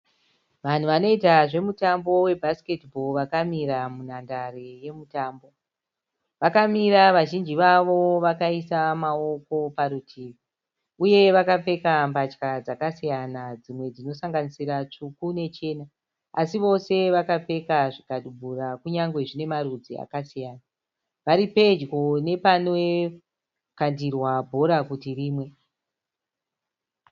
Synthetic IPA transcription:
ʋan̤uʋano̞itaʐe̞mutambo̞we̞bʱasi̥ke̞tibʱo̞lʋakamiɾamunandareje̞mutaːmbo̞ | ʋakamiɾaʋaʒind͡ʒiʋaʋo̞ʋakaisamao̞ko̞paɾutʰiːʋi | uje̞ʋakap͡fe̞kambat͡ʃkad͡zakasijanad͡zimwe̞d͡zino̞saŋɡanisiɾat͡ʂukune̞t͡ʃe̞ːna | asiʋo̞se̞ʋakap͡fe̞kaʐikaɗubʱurakuɲaŋɡwe̞ʐine̞maɾud͡zia̰kasijaːna | ʋaɾipe̞d͡ʒɡo̞ne̞pano | kandirwabʱo̞ɾakutiriːmwe̞

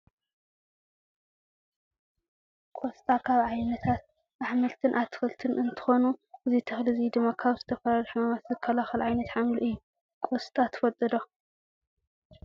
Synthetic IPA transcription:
kʼost̪ʼakʰaβʕajnɐt̪ʰat̪̚ | ʔaħmɨlt̪ʰɨnʔat̪ʰɨ̥xɨlt̪ʰɨnʔɨnt̪ʰɨ̥xo̞nuʔɨzit̪ʰɨxlɨzid̪ɨmːakʰaβzɨt̪ʰɐfɐɾɐlħmamat̪zɨkʰɐlaxɨlʕajnɐt̪ħamluʔɨjːu | kʼost̪ʼat̪ʰfɐt̪ʼːɨd̪o̞

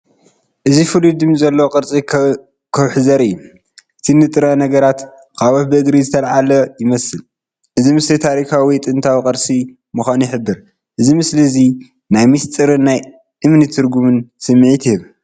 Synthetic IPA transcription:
ʔɨzifɨlid̪ɨmzɐlːooqʼɨɾt͡sʼi | kʰɐwħɨzɐɾɨjːu | ʔɨt̪ʰinɨt̪ʼɨɾɐnɐɡɐɾat̪ | kʰawoħbɨɨɡɾizɨt̪ʰɐlʕalɐjɪmɐsɨl | ʔɨzimɨslit̪ʰaɾikʰawit̪ʼɨnt̪ʰawikʼɐɾsi | mɨxʷanɪħɨbːɨɾ | ʔɨzimɨslizi | najmist̪ʼɨɾɨnːaj | ʔɨmnɨt̪ʰɨɾɡumɨnsɨmːʕit̪ʰihɨβ

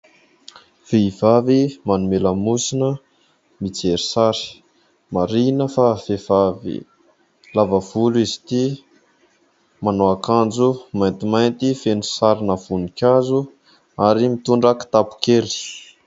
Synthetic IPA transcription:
v̥eivavimanumeləmusinə | mit͡seɾi̥saɾi̥ | maɾinəfafev̥avḭ | lavəv̥uluizi̥t̪i | manoakand͡zumajnt̪imajnt̪ifenusaɾinəv̥unikʲazu | aɾimit̪uɳɖ͡ʐaki̥t̪apu̥keɾi̥

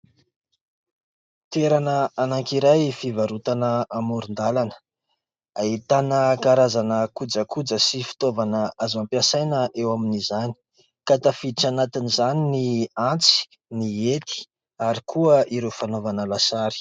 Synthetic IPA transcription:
t̪eɾanəanaŋkiɾajfivaɾut̪anəamuɾund̪alanə̥ | ait̪anəkaɾazanəkud͡zəkud͡zəsifi̥t̪ovanəazampjasajnəʔewaminizani̥ | kat̪afiiʈ͡ʂanat̪inizaniniant͡si̥ | niet̪i̥ | aɾikʰuəʔiɾewfanovanəlasaɾi̥

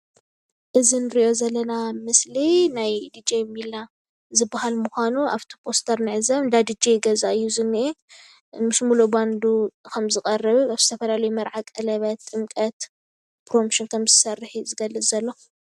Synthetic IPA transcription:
ʔɨzinɨɾiʔo̞zɐlːɐnamɨslinajd̪id͡ʒemilːa | zɨbːahalmuxʷanuʔaβt̪ʰi̥pʰo̞st̪ʰɐɾnɨʕɨzɐβɨnd̪ad̪ɨd͡ʒeɡɐzaɨjːuzɨnːiʔe | mɨsmuloband̪ukʰɐmzɨkʼɐrːɨβaβz̥ɨt̪ʰɐfɐlalɐjumɐɾʕakʼɐlɐβɐt̪ʼːɨmkʼɐt̪ | pɾomʃinkʰɐmzɨsɐrːɨħizɨɡɐlːɨzɐlːo̞

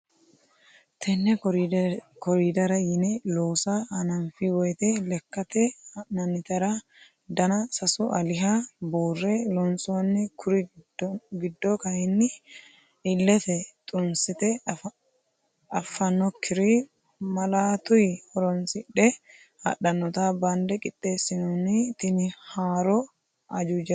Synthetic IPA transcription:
t̪ʰɛnːɛɾkɔɾid̪ɐɾɐjɪnɛloːsɐhɐnɐmfɪwɔjt̪ɛlɛkːɐt̪ɛnɐnɪt̪ɐɾɐ | d̪ɐnɐsɐsʊʔɐlɪɦɐbuːrːɛlɔnsʼʊwɐnːɪkʰʊɾɪ | ɡɪd̪ːɔkɐjɛnːɪ | ɪlːɛt̪ɛt̪ʼʊnsɪt̪ɛ | ɐfːɐnɔkʰːɪɾi | mɐlaːt̪ʊjhɔɾɔnsɪᶑɛ | hɐ̰ᶑɐnːɔt̪aːband̪ɛkʼɪtʼːe̞ːsːɪnɔnɪt̪ɪnɪhaːɾɔ | ɐd͡ʒud͡ʒɛ

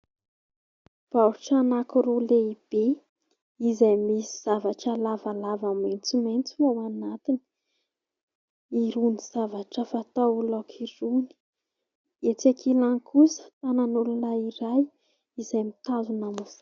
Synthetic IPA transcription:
b̥aɾuʈ͡ʂanakuɾuleib̥e | izajmisiz̥avaʈ͡ʂalavalavament͡sument͡sunawanat̪ini̥ | iɾuniz̥avaʈ͡ʂəfat̪aulawkʰiɾuni̥ | et͡sakʰilaŋkusə̥t̪ananulunaiɾaj | izajmit̪azunamusḁ

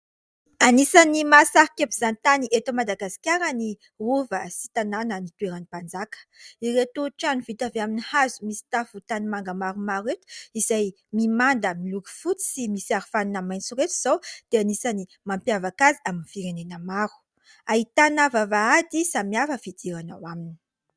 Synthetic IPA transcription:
anisanimasaɾikapiz̥anit̪aniʔet̪amad̪aɡasi̥kʲaɾəni | ruvəsi̥t̪ananənit̪ueɾanipand͡zakə̥iret̪uʈ͡ʂanuvit̪aveaminihazumisi̥t̪afut̪animaŋɡəmaɾumaɾuet̪u̥izaj | mimand̪əmiluki̥fut͡si̥simisiaɾifaninamajnt͡suɾet̪iz̥awd̪̥eanisani | mampjavakaziaminifiɾenenəmaɾu̥ | ait̪anavavaad̪isamiafəfid̪iɾana̰wamini̥

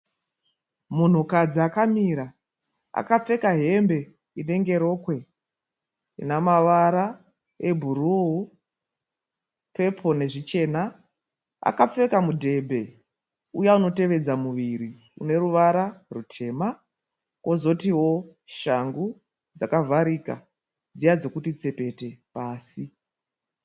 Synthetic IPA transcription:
mun̤ukad͡ziakamiɾa | a̰kap͡fe̞kaɦe̞mbe̞ | ine̞ŋɡe̞ɾo̞ːkwe̞ | ḭnamaʋaɾa | ebʱuɾuɦu | pʰe̞pʰo̞ne̞ʐit͡ʃe̞na | a̰kap͡fe̞kamudʱe̞bʱe̞ | ujauno̞te̞ʋe̞d͡zamuʋiɾi | ṵne̞ɾuʋaɾarutʰe̞ːma | ko̞zo̞tiwo̞ʃaŋɡu | d͡zakavʱaɾika̰ | d͡zijad͡zo̞kutit͡se̞pe̞te̞paːsi

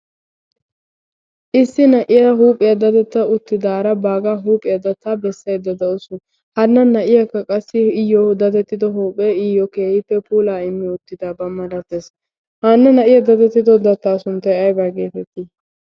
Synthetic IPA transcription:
ʔɪsːɪnɐʔɪjɐɦuːpʼːɪjɐd̪ɐt̪ɛt̪ːɐʊt̪ːɪd̪aːɾɐbaːɡaːɦuːpʼːɪjɐd̪ɐt̪ːabɛsːɐjd̪ɐd̪ɐʊsʊ | hɐnːɐnɐʔɪjɐkːɐkʼɐsːɪɪjɔd̪ɐt̪ɛt̪ːɪd̪ɔɦuːpʼeɪjɔkeːhɪpːɛpuːlaːɪmːɪʊt̪ːɪd̪aːbɐmːɐd̪ɐt̪ːes | hɐnːɐnɐʔɪjɐd̪ɐt̪ɛt̪ːɪd̪ɔd̪ɐt̪ːaːsʊnt̪ːɐjɐjbaːɡeːt̪ɛt̪ːi

